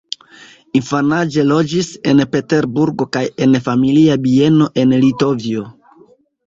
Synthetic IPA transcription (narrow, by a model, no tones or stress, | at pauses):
infanad͡ʒe̞lo̞d͡ʒise̞npe̞te̞ɾbuɾɡo̞kaje̞nfamiliabie̞no̞ʔe̞nlito̞vio̞